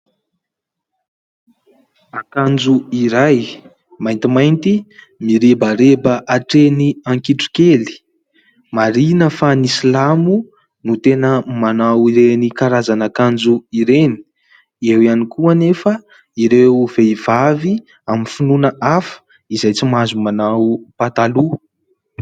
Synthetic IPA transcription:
akand͡zuiɾaj | majnt̪imajnt̪i | miɾebaɾebəʔaʈ͡ʂeniaŋkiʈ͡ʂu̥keli̥ | maɾinəfanisilamu | nut̪enəmanawiɾenikaɾazanəkand͡zuiɾeni̥ | ewianikuənefə | iɾev̥eivavi | aminfinunəʔafə̥ | izajt͡simazumanawpat̪alu

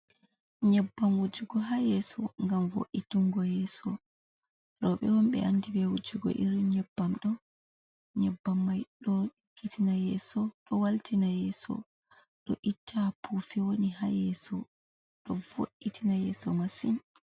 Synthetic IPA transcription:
ɲɛbːamwud͡ʒuɡɔɦajɛsɔŋɡamvo̰ʔituŋɡɔjɛsɔ | ɾɔɓɛwɔmɓɛ̰ʔanːdibɛwud͡ʒuɡɔ̰ʔiɾiɲɛbːamɗɔ | ɲɛbːamːajɗɔ | kʰitinajɛːsɔɗɔwaltʰinajɛsɔ̰ | ɗɔʔitʰːapʰufiwonihajɛsɔ | ɗɔvo̰ʔːitʰinajɛsɔmasin

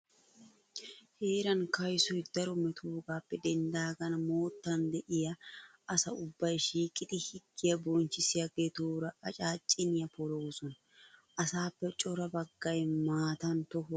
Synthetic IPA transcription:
heːɾɐnkɐjsɔjd̪̥ɐɾɔmɛt̪ʰuːɡaːpːɛd̪ɛnd̪aːɡɐnmoːt̪ːɐnd̪ɛʔɪjɐ | ɐsɐʊbːɐjʃiːkʼːɪd̪ɪhɪɡːɪjɐbɔnt͡ʃːɪsɪjɐɡeːt̪uːɾɐʔɐt͡ʃʼaːt͡ʃʼːɪnɪjɐpɔloːsɔn | ʔɐsaːpːɛt͡ʃʼɔɾɐbɐɡːɐjmaːt̪ɐnt̪ɔɦʊ

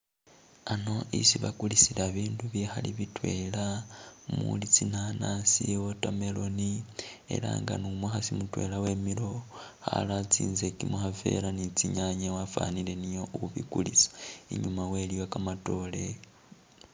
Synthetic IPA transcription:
ano̞ʔḭsiβa̰kulisilaβiːnduβjexaliβitwe̞lamṵlit͡sinanasiwotame̞lo̞nie̞̰ɾa̰ŋɡa̰numwexasimutwe̞̰lawe̞ːmilo̞ | xa̰lat͡siːnze̞kimuxafe̞̰ɾanit͡siɲaɲewafa̰nile̞nijoʔuuβḭkulisḁiɲumaweliwakamato̞le̞

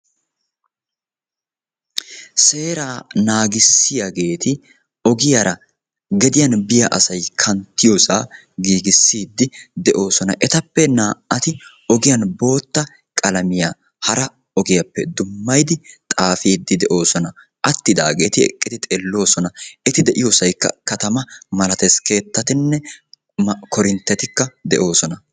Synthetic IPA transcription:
se̞ːɾaːnaːɡɪsːɪjaɡe̞ːt̪ɪ | ɔɡɪjɐɾɐ | ɡɛd̪ɪjɐnbɪjɐʔɐsɐjkʰɐnt̪ːɪjosaː | ɡiːɡɪsːiːd̪ːɪd̪ɛʔo̞ːsɔnɐʔɛt̪ɐpːɛnaːʔɐt̪ɪ | ɔɡɪjɐnbo̞ːt̪ːɐ | kʼɐlɐmɪjaː | hɐɾɐ | ɔɡɪjɐpːɛd̪ʊmːɐjd̪ɪt̪ʼaːfiːd̪ːɪd̪ɛʔo̞ːsɔnɐ | ʔɐt̪ːɪd̪aːɡeːt̪ɪɛ̰kʼːɪd̪ɪt̪ʼelːo̞ːsɔnɐʔɛt̪ɪd̪ɛʔɪjoːsɐjkːɐ̰kɐt̪ɐmɐmɐlɐt̪ɛske̞ːt̪ːɐt̪ɪnːɛ | kɔɾɪnt̪ːɛt̪ɪkːɐd̪ɛʔo̞ːsɔnɐ

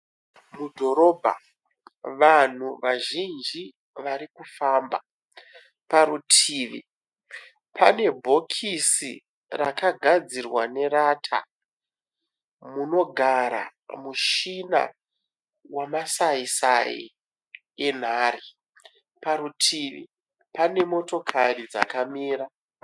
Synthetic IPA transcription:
mudʱo̞ɾo̞ːbʱa̰ | ʋan̤uʋaʒind͡ʒi | ʋaɾikufaːmba | paɾutʰiːʋḭ | pʰane̞bʱo̞kʰisḭ | rakaɡʱad͡zirwane̞ɾaːtʰa̰ | muno̞ɡʱaɾa̰muʃina̰ | wamasaisa̰ḭ | en̤aːri | paɾutʰiːʋḭ | pane̞mo̞to̞kʰarid͡za̰kamiːra

